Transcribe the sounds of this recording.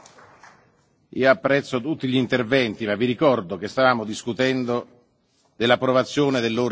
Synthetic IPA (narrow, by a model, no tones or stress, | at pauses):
ḭːoapːɾɛt̪sːot̪ut̪ːiʎint̪ervɛnt̪imavːiɾikɔrd̪ok̟est̪avaːmod̪iskut̪ɛnd̪o | d̪elːapːɾovat̪sːjoːned̪elːoːɾ